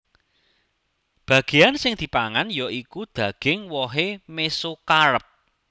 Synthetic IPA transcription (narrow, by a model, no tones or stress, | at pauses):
b̥ä̤ɡ̥e̤jansɪŋd̪̥i̤paŋanjɔʔikud̪̥ä̤ɡ̥ɪŋwɔɦemesokaɾəp̚